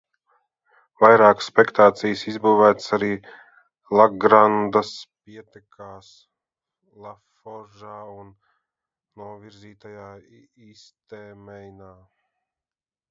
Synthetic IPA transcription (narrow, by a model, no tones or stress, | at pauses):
vajɾaːkə̥spɛkt̪aːt̪sijsizbuːvæːt̪saɾiː | lˠaɡɾand̪asp̚iɛt̪ɛkʰaːs | lˠaf | ɔʒaːunː | uɔviɾziːt̪ajaːiːst̪eːmɛjnaː